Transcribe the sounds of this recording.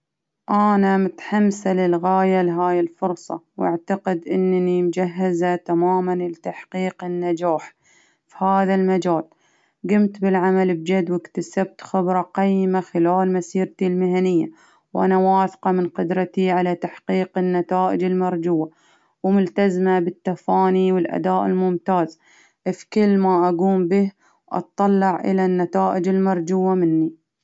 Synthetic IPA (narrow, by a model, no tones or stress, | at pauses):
ʔanamʊt̪ħamsalɪlɣaːjalɪɦaːjɪlfʊɾsˤɑ̰wʔaʕt̪aqɪd̪ʔɪnːnimd͡ʒaɦːazat̪amaːmanlɪt̪aħqiːqɪnːad͡ʒaːħ | fihaːðalmad͡ʒaːl | ɡʊmt̪bɪlʕamalbd͡ʒad̪wɪkt̪asab̚t̪xɪbɾˤɑqajːɪmaxɪlaːlmasiːɾt̪ilmɪɦanɪjːa | wʔa̰nawaːθqɑmɪnqʊd̪ɾˤɑt̪iʕalat̪aħqiːqɪnːat̪aːʔɪd͡ʒɪlmɑɾˤd͡ʒuːa | wmʊlt̪azmabɪt̪ːafaːniwɪlʔa̰d̪aːʔɪ̰lmʊmt̪aːz | ʔfkɪlːmaʔaɡuːmbɪh | wʔɑ̰t̪ˤːɑlːɑʕʔɪ̰lanːat̪aːʔɪd͡ʒɪlmɑɾˤd͡ʒuːamɪnːi